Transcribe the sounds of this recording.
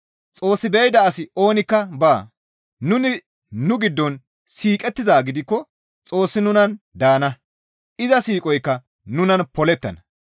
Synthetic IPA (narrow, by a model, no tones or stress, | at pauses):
t͡sʼo̞ːsːɪbɛɪd̪ɐːsɪo̞ːnɪkːɐbaː | nʊnɪː | ʊɡɪd̪ːɔn | siːkʼɛt̪ːɪzaːɡɪd̪ɪkːɔ | t͡sʼo̞ːsːɪnʊnɐn | d̪aːnɐ | ʔɪzɐsiːkʼɔjkːɐ | nʊnɐnpɔlɛt̪ːɐnɐ